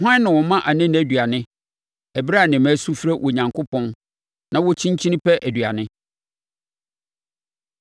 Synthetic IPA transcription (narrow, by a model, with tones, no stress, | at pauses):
ɦã˦nɪ̃˨wɔ˨mã˦ʔa˨nɪ̃˦ñ˨æ˨dɥa˨nɪ̃˦ | ɛ˨bɾa˦˨nɪ̃˨mæ˦su˦fɾɛ˦wʔɔ˨ɲã˨ŋkʰʊ˦pʰɔ̃˦n | nã˦wɔ˦t͡ɕʰĩ˦ɲ˦t͡ɕʰĩ˦nɪ̃˦pʰɛ˦ʔæ˨dɥa˨nɪ̃˦